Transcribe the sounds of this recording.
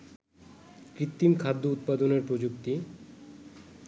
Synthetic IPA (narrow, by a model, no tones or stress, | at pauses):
kɾit̪ːimkʰad̪ːout̪̚pad̪oneɾpɾod͡ʑuk̚t̪i